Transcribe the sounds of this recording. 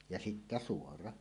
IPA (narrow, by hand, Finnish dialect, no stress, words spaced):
jɑ sitːæ suorɑ